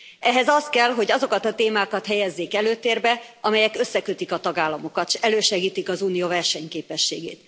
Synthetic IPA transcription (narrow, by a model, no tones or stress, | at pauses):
ʔɛɦɛzɒst̪̚kɛlɦo̞ɟɒzo̞kɒt̪ɒt̪eːmaːkɒt̪hɛjɛzːeːkɛløːt̪eːrbɛʔɒmɛjɛkø̞sːɛkøt̪ikɒt̪ɒɡaːlːɒmo̞kɒt̪ʃɛløːʃɛɡiːt̪ikɒzuːnijoːvɛrʃɛɲkeːpɛʃːḛːɡḛːt̪